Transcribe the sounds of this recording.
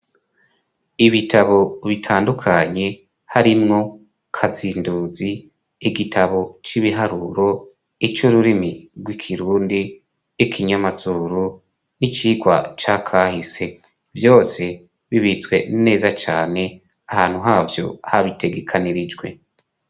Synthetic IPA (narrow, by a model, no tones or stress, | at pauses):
iβitʰaβo̞βitʰaːndukʰaɲe̞ | haɾimŋo̞ | kʰaziːnduːziː | ɡitʰaβo̞t͡ʃiβiɦaɾuɾo̞ | it͡ʃuɾuɾimiɾɡwikʰiɾuːndi | ikʰiɲamazuːɾu | nit͡ʃiːɡwa̰t͡ʃakʰahise̞ | vjo̞ːse̞ | βiβit͡sɡwe̞nine̞ːzat͡ʃaːne̞ | ahaːn̥huɦaːvjo̞̰haβitʰe̞ɡe̞kʰaniɾid͡ʒɡwe̞̰